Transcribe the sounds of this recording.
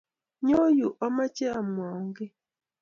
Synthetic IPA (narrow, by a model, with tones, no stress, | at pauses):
ɲo˦ju˨ʔa˦ma˦t͡ʃe˦a˨m˨wa˨ŋɡe˦